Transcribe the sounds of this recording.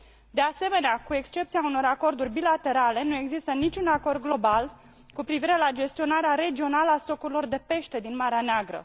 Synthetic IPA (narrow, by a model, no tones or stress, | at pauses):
d̪e̞ase̞me̞neakue̞kst͡ʃe̞p̚t̪siauno̞ɾako̞rd̪urʲbilat̪e̞ɾale̞nue̞ɡzist̪ənit͡ʃʲunako̞rd̪̚ɡlo̞bal | kupɾiviɾe̞lad͡ʒe̞st̪io̞naɾeaɾe̞d͡ʒio̞naləast̪o̞kuɾilo̞rd̪e̞pe̞ʃt̪e̞d̪inmaɾeaneaɡɾə̰